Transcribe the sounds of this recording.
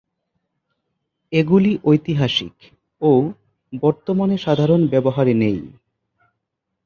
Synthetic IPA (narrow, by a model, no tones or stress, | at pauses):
eɡuliʔojt̪iɦaʃḭk | o | bɔɾt̪omaneʃad̪ʱaɾonbɛboɦaɾenej